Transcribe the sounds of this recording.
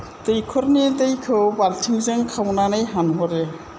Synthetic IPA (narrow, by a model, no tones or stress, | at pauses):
tejkʰɔɾnitejkʰɯwbaltʰiŋzeŋkʰawnanɯjɦanɦɔɾe